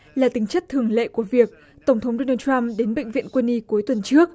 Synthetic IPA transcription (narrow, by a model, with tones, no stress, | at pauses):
laː˨˩t̪ï˨˦ŋ̟t͡ɕə˦˥t̚t̪ʰɨ˨˩əŋlḛ˧˨ku˧˩əvi˨˩ək̚ | t̪ə˧˩wŋ͡mt̪ʰə˨˦wŋ͡mɗo˧naː˧ta˧mɗe˨˦nɓḛ˧˨ŋ̟vḭ˧˨ənkwə˧nːi˧ku˨˦jt̪wə˨˩nt͡ɕɨ˦˥ək̚